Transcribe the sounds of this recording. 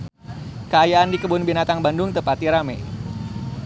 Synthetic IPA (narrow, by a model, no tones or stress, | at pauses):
kəajaːndikəbʊnbinat̪aŋbandʊŋt̪əpat̪iɾamɛj